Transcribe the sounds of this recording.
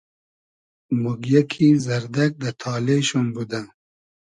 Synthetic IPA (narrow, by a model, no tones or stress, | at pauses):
muɡjɐkʰizɐɾd̪ɐk̚d̪ɐt̪ʰɑːleʃonbud̪a